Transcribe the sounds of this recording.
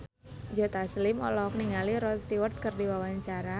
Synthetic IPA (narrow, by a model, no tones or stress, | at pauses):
d͡ʒot̪aslɪmɔlɔk̚niŋaliɾɔst̪iwərt̪̚kərdiwawaɲt͡ʃaɾa